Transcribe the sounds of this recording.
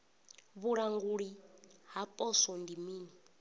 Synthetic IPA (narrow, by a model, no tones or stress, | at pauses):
βuɺaŋɡuɺiɦapʼɔsɔndimiːni